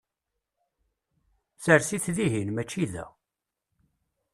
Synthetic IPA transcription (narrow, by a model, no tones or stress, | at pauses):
səɾsiθðiɦinmæt͡ʃːiðæ̰